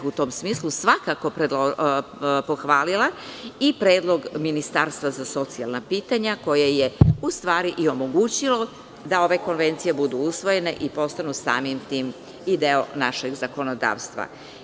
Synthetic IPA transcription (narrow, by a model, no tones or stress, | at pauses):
ut̪o̞ːmsmiːslusʋakako̞pɾed̪o | poxʋaːlilaipɾeːd̪lˠo̞ɡminist̪aɾst̪ʋazaso̞t̪sialnapiːt̪aɲako̞jejeust̪ʋaːɾiʔio̞mo̞ɡuːt͡ɕilo̞ | d̪ao̞ʋe̞ko̞nʋe̞nt̪sije̞bud̪uusʋo̞je̞ne̞ʔipo̞st̪anusa̰ːmimt̪iːm | id̪eonaʃeɡzako̞nod̪a̰ːʋst̪ʋa̰